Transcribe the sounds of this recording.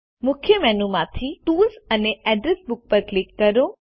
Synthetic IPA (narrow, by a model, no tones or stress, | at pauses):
mʊkʰjəmɛːnumãt̪ʰiʈuːlsəneɛːɖɾesbʊk̚pəɾklɪkːɐɾo